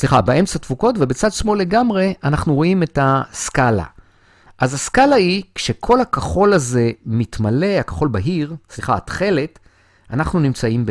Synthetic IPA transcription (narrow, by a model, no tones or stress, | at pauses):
sliχabeʔe̞mt͡satvuko̞tve̞bet͡sad̪smo̞le̞ɡamʁe̞ʔanaχnuʁo̞ime̞taskala̰ | ʔazaskalaikʃe̞kʰo̞lakaχo̞laze̞mitmale̞hakḁχo̞lbaɦiʁsliχaːtχe̞le̞t | anaχnunimt͡saimb